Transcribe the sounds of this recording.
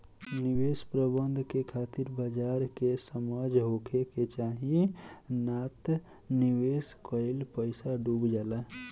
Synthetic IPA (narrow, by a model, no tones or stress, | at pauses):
niwespɾəbənd̪ʱkekʰat̪iɾbəd͡ʒaɾkesəməd͡ʒʱɦokʰeket͡ʃaɦinat̪ | niweskəɪlpəɪsaɖubd͡ʒalə